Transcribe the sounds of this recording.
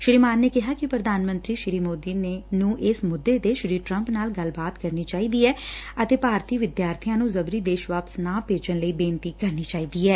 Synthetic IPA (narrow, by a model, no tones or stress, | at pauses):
ʃɾiːmaːnːeːkɪɦaːkɪpɾəd̪aːnmə̃nt̪ɾiːʃɪɾiːmoːd̪iːnenũːʔɪsmʊd̪ːeːd̪eːʃɪɾiːʈɾəmpnaːlɡəlbaːt̪kəɾniːt͡ʃaːiːd̪iːɛːət̪eːpaːɾt̪ʰiːʋɪd̪jaːɾt̪ʰijãːnũːzəbɾiːd̪eːʃʋaːpə̥snãːpeːd͡ʒənləiːbẽːnt̪iːkəɾniːt͡ʃaːiːd̪iːɛː